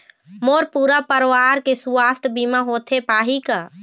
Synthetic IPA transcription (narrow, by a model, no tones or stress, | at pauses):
moːɾpuːɾapəɾʋaɾkesuast̪ʰbimaɦoːt̪ʰepaːɦika